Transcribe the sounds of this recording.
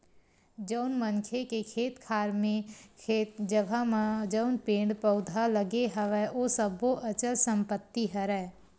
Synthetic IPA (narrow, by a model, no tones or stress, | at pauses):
d͡ʒəʊnmənkʰekekʰeːt̪kʰaːɾmẽkʰeːd͡ʒəɡʱad͡ʒəʊnpẽːɳɖpəʊd̪ʱaləɡeɦəʋɛʔoːsəboʔət͡ʃəlsə̃mpət̪ːiɦəɾɛː